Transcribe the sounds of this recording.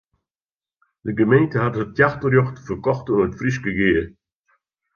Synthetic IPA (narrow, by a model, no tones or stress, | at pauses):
d̥əɡəmeɪntəhathət̚tʰjaχtəɾjoχtfəkɔχtʊnətfɾiʃɡəɡeːə